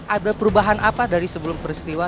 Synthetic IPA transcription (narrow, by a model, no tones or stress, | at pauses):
adapəɾubaɦanʔapadaɾisəbəlʊmpəɾist̪iwa